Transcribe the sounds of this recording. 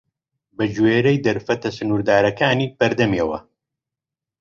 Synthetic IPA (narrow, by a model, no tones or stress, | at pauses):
bɐd͡ʒweːɾɐjd̪ɐɾfɐt̪ɐsɨnuːɾd̪aːɾɐkaːniːpɐɾd̪ɐmiɛwɐ̰